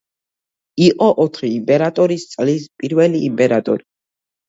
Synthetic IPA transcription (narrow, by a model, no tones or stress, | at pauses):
iqʼɔʔɔt̪ʰχiːmpʼɛɾat̪ʼɔɾist̪sʼlispʼiɾvɛliːmpʼɛɾat̪ʼɔ̰ɾi